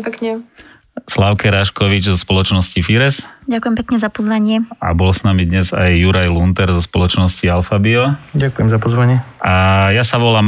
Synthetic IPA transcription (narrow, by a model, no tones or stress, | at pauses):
pkɲɛ | slaʊkɛɾaʃkɔʋid͡ʒzɔspɔlɔt͡ʃnɔscifiɾɛsɟakujɛmpɛkɲɛzapɔzʋaɲɪɛa̰bɔlsnamid̪ɲɛzajːuɾajlunt̪ɛɾzɔspɔlɔt͡ʃnɔscialfabiɔɟakujɛmzapɔzʋaɲɪɛʔajasaʋɔlaːm